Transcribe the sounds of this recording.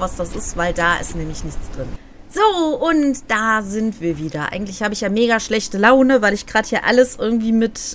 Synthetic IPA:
vasd̥asɪstv̥aɪldaːʔɪ̰stnɛːmlɪçnɪçt͡sd̥ʁɪn | z̥oːʔʊntd̥aːzɪntv̥iːɐviːdɐʔa̰ɪɡŋ̩tlɪçhaːbəɪçjaːmeːɡaʃlɛçtəlaʊnəvaɪlɪçɡ̥ʁaːdəhjaːɐʔa̰ləsʔɪɐɡŋ̩tv̥iːmɪt

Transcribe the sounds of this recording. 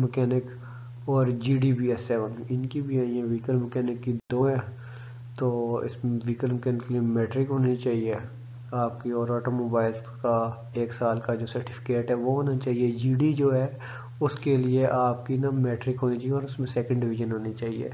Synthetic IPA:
mɛkɛːnɪk | ɔːɾd͡ʒiːɖibiːɛsːɛːʋənɪnkibʱiaːĩɛ̃ʋiːkəlmɛkɛːnɪkːid̪oːɦɛ̃ː | t̪oːɪ̰sʋiːkəlmɛkɛːnɪkːeliemɛːʈɾɪkɦoːnit͡ʃaːɦie | aːp̚kiɔːɾɔːʈoːmoːbaːɪl | ka | eːksaːlkad͡ʒoːsɐɾʈɪ̥fʰɪ̥keːʈɦɛʋoɦoːnat͡ʃaːɦied͡ʒiːɖid͡ʒoːɦɛ | ʊskelieʔaːp̚kinɐmɛːʈɾɪkɦoːnit͡ʃaːɦieɔːɾʊsmẽsɛːkə̃ɳɖɖɪʋɪʒənɦoːnit͡ʃaːɦiḛː

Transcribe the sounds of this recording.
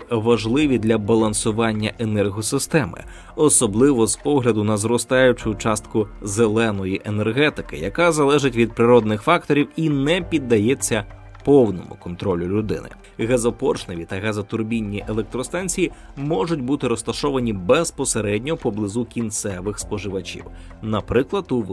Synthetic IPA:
ʋɐʒlˠɪʋʲid̪lʲɐbɐlˠɐnsʊʋɑnʲːɐʔenɛrɦɔsɪst̪ɛmɪ̰ | ɔsɔblˠɪʋɔzpɔɦlʲɐd̪ʊnɐzɾɔst̪ɑjʊt͡ʃʊt͡ʃɑst̪kʊzelˠɛnɔjiʔenerɦɛt̪ɪkɪ̰jɐkazɐlˠɛʒɪtʲʋʲid̪̚pɾɪɾɔd̪nɪxfɑk̚t̪ɔɾʲiwinɛpʲid̪ːɐjɛt͡sʲːɐ | pɔwnɔmʊ̰kɔnt̪ɾɔlʲʊlʲʊd̪ɪ̰nɪ̰ | ɣɐzɔpɔrʃnɐʋʲit̪ɐɣɐzɔt̪ʊrbʲinʲːiʔelˠɛk̚t̪ɾɔst̪ɑnʲt͡sʲiji | mɔʒʊtʲbut̪ɪɾɔst̪ɐʃɔʋɐnʲibɛspɔseɾɛdʲnʲɔpɔblˠɪzukʲint̪sɛʋɪxspɔʒɪʋɐt͡ʃʲḭw | nɐpɾɪklˠɐt̪u

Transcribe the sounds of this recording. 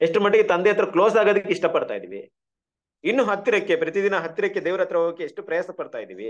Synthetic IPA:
eʂʈumɐʈːeɡet̪ɐnd̪eɐt̪ːɾɐklo̞ːsaːɡoːd̪ɐkːeiʂʈɐpɐɽt̪a̰ːjd̪ḭʋi | inːuɦɐt̪ːiɾɐkːe̞pɾɐt̪id̪inɐɦɐt̪ːiɾɐkːed̪eːʋɾɐt̪ɾɐɐɐkːeːʂʈupɾɐjaːsɐpɐɽt̪aːjd̪ḭːʋi

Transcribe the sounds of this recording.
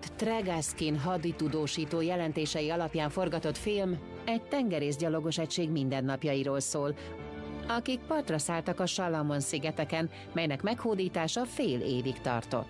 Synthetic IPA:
t̪rɛɡaskinɦɒd̪it̪ud̪oːʃiːt̪oːjɛlɛnt̪eːʃɛjiɒlɒpjaːɱfo̞rɡɒt̪o̞t̪film | ɛɟ̚t̪ɛŋɡɛɾeːzɟɒlo̞ɡo̞ʃɛcʃeːɡmind̪ɛnːɒpjɒjiɾoːlsoːl | ɒkik̚pɒrt̪rɒsaːlt̪ɒkɒʃɒlːɒmonsiɡɛt̪ɛkɛn | mɛjnɛkmɛkhoːd̪iːt̪aːʃɒfeːlḛːvikt̪ɒ̰rt̪o̞̰t̪ː

